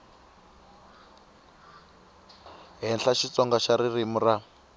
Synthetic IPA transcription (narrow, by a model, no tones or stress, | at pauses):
ɦɛnɬaʃit͡sɔŋɡaʃaɾirimura